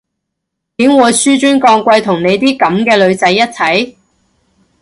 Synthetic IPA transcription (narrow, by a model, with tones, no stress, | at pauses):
k̪i˨˥ŋwuː˨˧jsyː˥t͡ʃyː˥nkɔː˧ŋkʷɐ˧jt̪ʰʊ˨˩ŋne˨˧jt̪̬iː˥kɐ˨˥mkɛː˧lɵ˨˧ɥt͡sɐ˨˧˥jːɐ˥t̚t͡sʰɐ˨˥j